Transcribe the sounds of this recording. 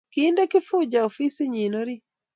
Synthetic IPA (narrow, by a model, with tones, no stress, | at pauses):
kinde˦kɪ˦fʊ˦d͡ʒao˨fi˦si˦ɲi˨no˦ɾi˦